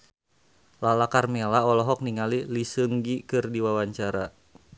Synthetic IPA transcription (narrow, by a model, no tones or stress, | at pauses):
lalakarmelaɔlɔɦɔk̚niŋalilisɨŋɡikɨrdiwawaɲt͡ʃaɾa